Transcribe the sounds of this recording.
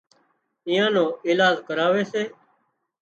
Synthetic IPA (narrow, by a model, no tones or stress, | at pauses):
ɪ̃ːãːnõːiːlaːd͡ʒkəɾaːʋeːseː